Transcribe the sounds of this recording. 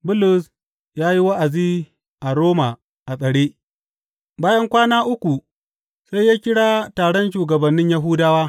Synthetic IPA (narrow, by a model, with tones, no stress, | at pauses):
bʊ˦lʊ˨s | jaː˦ji˦wa˦ʔa˨ziː˦ | ʔa˨ɾoː˦ma˨ | ʔa˨sʼɐ˨ɽeː˦ | baː˦jɐ˦ŋkʷaː˦naː˦ʔʊ˦kʷu˨ | sa˦jːaː˦kʲɪ˦ɽaː˦taː˨ɽɔ˦nʃuː˨ɡɐ˨bɐ˨nːɪ˦ɲja˦ɦʊ˦daː˦waː˦